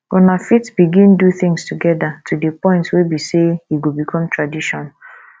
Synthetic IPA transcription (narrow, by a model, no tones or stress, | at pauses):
ɔnafitb̥iɡĩnduθɪ̃ŋstuɡɛdatʰudepɔ̃ɪ̃ntwebisehiɡobikʰɔ̃mtɹadiʃɔ̃n